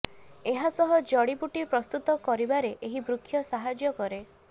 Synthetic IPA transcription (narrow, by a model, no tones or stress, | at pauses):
eɦasɔɦɔd͡ʒɔɽipuʈipɾɔst̪ut̪ɔkɔɾibaɾeʔeɦibɾukʰːjɔsaɦad͡ʒjɔkɔɾe